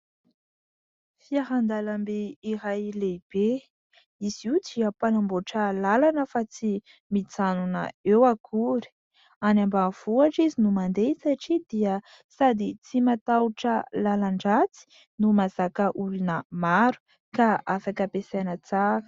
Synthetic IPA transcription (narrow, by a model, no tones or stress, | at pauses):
fiaɦand̪alambeiɾajleb̥e | iz̥iud͡ziəpanamboʈ͡ʂəlalanəfat͡si | mit͡sanunə̰ewakʰuɾi̥ | anambav̥uaʈ͡ʂizinumand̪et͡saʈ͡ʂid̪iə | sad̪it͡simat̪awuʈ͡ʂəlalaɳɖ͡ʐat͡si̥ | numaz̥akəʔulunəmaɾu̥ | kaafakəpesanət͡saɾə̥